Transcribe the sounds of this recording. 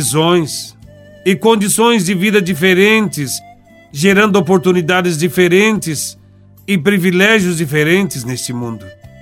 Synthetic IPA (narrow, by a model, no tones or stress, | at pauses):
zõj̃s | ɪkõnd͡ʒ̪isõj̃zd͡ʒɪvid̪ɐd͡ʒifeɾẽnt̪ɪs | ʒeɾɐ̃nd̪ʊopoɾt̪unid̪ad̪ɪzd͡ʒifeɾẽnt̪ɪs | ɪpɾivilɛʒjʊzd͡ʒifeɾẽnt̪ɪznest͡ʃɪmũnd̪ʊ